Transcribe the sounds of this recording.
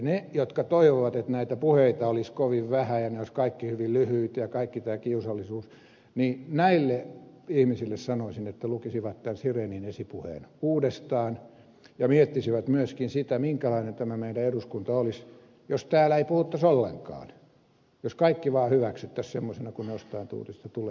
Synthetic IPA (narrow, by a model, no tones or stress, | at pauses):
nejot̪kɑt̪oiʋoʋɑt̪et̪næit̪æpuheit̪ɑoliskoʋiʋʋæhæjɑneoiskɑikːihyʋillyhyːt̪jɑkɑikːit̪æːkiusɑlːisuːs | ninæilːe | ihmisilːessɑnoisinet̪ːælukisiʋɑt̪t̪ænsireːninesipuhḛːnuːdest̪ɑːn | jɑmiet̪ːisiʋæt̪myøskinsit̪æmiŋkælɑinent̪æmæmeidæeduskunt̪ɑolis | jost̪æːlæeipuhut̪ːɑsolːḛŋkɑ̰ːn | joskɑikːiʋɑːhyʋæksyt̪ːæssemːosenɑkunejost̪ɑint̪ṵːt̪ist̪ɑt̪uleː